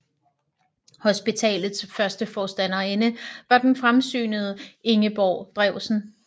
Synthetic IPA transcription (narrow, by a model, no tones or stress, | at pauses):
hosb̥it͡sʰɛ̰ːlð̩ˠsfɶɐsd̥əfɒːsd̥ænɐenəʋɑ̈d̥enfʁamsy̰ːnəð̞̩ˠəe̝ŋəb̥ɒ̰ːd̥ʁɛʊsn̩